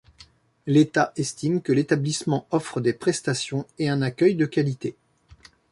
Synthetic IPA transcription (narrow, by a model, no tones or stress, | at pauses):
let̪aʔɛst̪imkəlet̪ablismɑ̃ɔfχəd̪epχɛst̪asjɔ̃eɛ̃nakʲœjd̪əkʲalit̪e